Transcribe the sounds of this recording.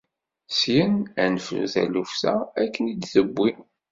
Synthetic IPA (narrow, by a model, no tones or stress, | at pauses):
sjənænfθæ̰lufθæækːənid̪θəbːi